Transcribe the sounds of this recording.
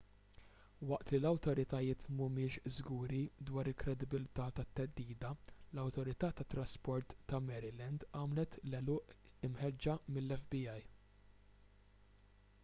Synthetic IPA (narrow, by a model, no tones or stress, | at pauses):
wɐʔt̪lilɐwt̪ɔɾɪt̪ɐjɪːt̪mʊmɪːʃzɡuːɾid̪wɐːɾɪlkɾɛd̪ɪbɪlt̪ɐːt̪ɐt̪ːɛd̪ːiːd̪ɐlɐwt̪ɔɾɪt̪ɐːt̪ɐt̪ːɾɐspɔɾt̪ːɐmɛɾɪlɛnd̪ɐːmlɛt̪lɛlʊːʔ | ɪmħɛd͡ʒːɐmɪlːɛfbiɐj